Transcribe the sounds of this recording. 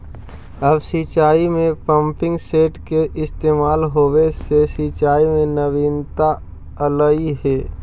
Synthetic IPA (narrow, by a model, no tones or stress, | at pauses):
əbsiːt͡ʃaːimẽpə̃mpɪ̃ŋɡseːʈkeʔɪst̪eːmaːlɦoːwesesiːt͡ʃaːimẽnəʋiːnt̪a | ələiɦɛː